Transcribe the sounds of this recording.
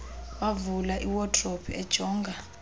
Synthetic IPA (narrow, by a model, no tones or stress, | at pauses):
wavulaʔiwɔtʰʼrɔpʰɛd̥ʒ̥ʱɔːŋɡʱa